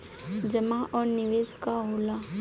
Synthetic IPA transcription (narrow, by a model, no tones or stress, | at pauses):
d͡ʒəmaʔɔːɾnɪʋeːskaɦoːlaː